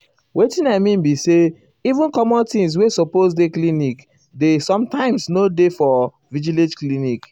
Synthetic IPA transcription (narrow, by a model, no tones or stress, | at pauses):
wetĩnamĩmbise | ivũnkɔmɔ̃ntĩŋs̬wesɔpozdeklinik | desɔ̃mtãɪ̃msnodefɔ | vid͡ʒiled͡ʒklinik